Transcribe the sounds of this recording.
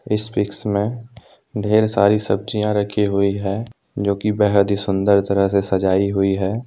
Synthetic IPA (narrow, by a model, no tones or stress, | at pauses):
ɪsfɪksmẽ | ɖʱeːɾsaːɾisəb̚t͡ʃijãɾəkʰiɦʊiɦɛː | d͡ʒoːkibɛːɦəd̪isʊ̃nd̪əɾt̪əɾəɦsesɐd͡ʒaːiɦʊiɦɛː